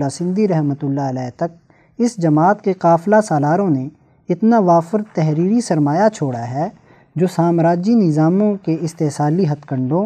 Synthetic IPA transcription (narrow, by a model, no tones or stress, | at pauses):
asɪ̃nd̪iɾɛɦmət̪ʊlːaəlɛːt̪ɐk̚ | ɪsd͡ʒɐmaːt̪keqaːflasaːlaːɾõne | ɪt̪naʋaːfəɾt̪ɛɦɾiːɾisɐɾmaːjat͡ʃʰoːɽaɦɛː | d͡ʒoːsaːmɾaːd͡ʒinɪzaːmõkeɪst̪eːɦsaːliɦɐt̪kə̃ɳɖõː